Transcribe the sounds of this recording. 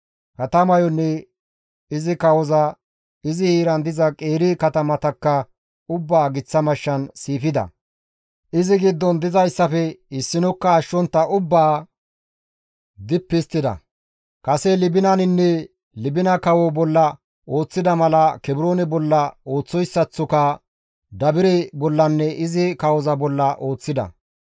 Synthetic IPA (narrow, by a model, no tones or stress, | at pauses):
kɐt̪ɐmɐjɔnːɛ | ɪzɪkɐwɔzɐ | ɪzɪhiːɾɐnd̪ɪzɐkʼe̞ːɾɪkɐt̪ɐmɐt̪ɐkːɐ | ʊbːaːɡɪt͡sːɐmɐʃːɐnsiːfɪd̪ɐ̰ | ʔɪzɪɡɪd̪ːɔnd̪ɪzɐjsːɐfɛɪsːɪnɔkːɐːʃːɔnt̪ːɐʔʊbːaː | d̪ɪpːɪst̪ːɪd̪ɐ̰ | kɐsɛlɪbɪnɐnɪnːɛ | lɪbɪnɐkɐwɔbɔlːɐ | ʔo̞ːt͡sːɪd̪ɐmɐlɐkɛbɪɾo̞ːnɛbɔlːɐo̞ːt͡sːɔjsːɐt͡sːɔkɐ | d̪ɐbɪɾɛbɔlːɐnːɛʔɪzɪkɐwɔzɐbɔlːɐʔo̞ːt͡sːɪd̪ɐ̰